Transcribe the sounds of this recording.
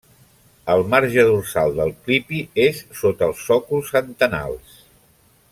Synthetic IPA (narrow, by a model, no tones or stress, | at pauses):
əlˠmarʒəðursalˠd̪əlˠklipiesːot̪əːlˠsɔkulˠsənt̪əna̰lˠs